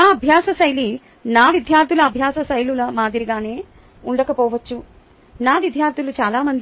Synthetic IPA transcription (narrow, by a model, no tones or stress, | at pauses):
naːɐbʱjaːsɐsɐjli | naːʋid̪ʱjaːɾt̪ʰilɐːbʱjaːsɐsɐjlulɐmaːd̪iɾiɡaːne̞ː | uɳɖɐkɐpɔːʋɐt͡ʃːu | naːʋid̪ʱjaːɾt̪ʰjulut͡ʃaːlaːmɐnd̪i